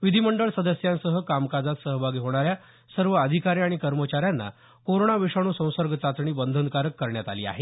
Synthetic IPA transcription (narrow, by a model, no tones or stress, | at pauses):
ʋid̪ʱiməɳɖəɭsəd̪əsjãnsəɦəkamkad͡zat̪səɦbʱaɡiːɦoɽ̃aɾja | səɾʋəəd̪ʱikaɾiaɽ̃ikəɾmət͡ɕaɾjanːa̰ | koɾoɽaʋeʂaɽ̃uːsə̃w̃səɾɡʱət͡sat͡s̪ɳiːbənd̪ʱənd̪kaɾəkːəɾɳjat̪aliːa̰ɦe